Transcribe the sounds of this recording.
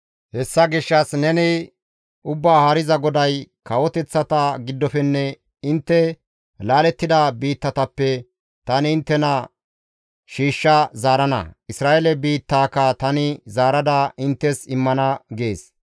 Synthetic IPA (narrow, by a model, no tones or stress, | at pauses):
hɛsːɐɡɪʃːɐsnɛnɪ | ʔʊbːaːhɐɾɪzɐɡɔd̪ɐjkɐwɔt̪ɛt͡sːɐt̪ɐɡɪd̪ːɔfɛnːɛ | ɪnt̪ːɛ | laːlɛt̪ːɪd̪ɐbiːt̪ːɐt̪ɐpːɛ | t̪ɐnɪːnt̪ːɛnɐ | ʃiːʃːɐzaːɾɐnɐ̰ɪsɾaːʔelɛbiːt̪ːaːkːɐt̪ɐnɪzaːɾɐd̪ɐʔɪnt̪ːɛsɪmːɐnɐɡeːs